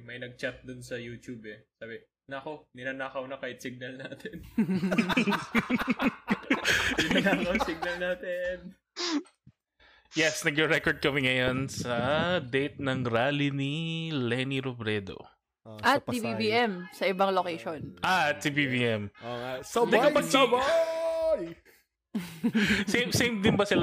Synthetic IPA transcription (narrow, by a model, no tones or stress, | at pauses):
mɐjnɐɡ̚t͡ʃat̪̚d̪ʊnsɐjuːt̪jubɛsaːbɪ | nɐkonɪnaːnaːkɐwnɐkaːhɪt̪sɪɡ̚nɐlnaːt̪ɛn | nɪnanaːkɐwsiɡ̚nɐlnaːt̪ɛn | jɛsnɐɡjoɹɛkoɹd̪̚kɐmɪŋːɐjonsɐd̪ejt̪̚nɐŋɾaːlinilɛniɾobɾɛd̪o̰ | ʔɐtt̪̚ːibibiʔɛmsɐʔɪbɐŋlokejʃonʔaɐt̪̚sibibiɛmosɐd̪kɐpɐɡsaba | j | semsejmd̪ɪnbɐsɪl